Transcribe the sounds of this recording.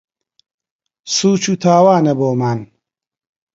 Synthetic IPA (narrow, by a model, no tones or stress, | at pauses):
suːt͡ʃʰut̪ʰaːwaːnɐboːmaːn